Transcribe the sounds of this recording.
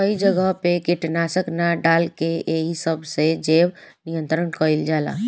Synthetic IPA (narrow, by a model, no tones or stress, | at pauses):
kəid͡ʒəɡəɦpekiʈnasəknaɖalkeʔːɦisəbʱsed͡ʒew | nijənt̪ɾənkəild͡ʒala̰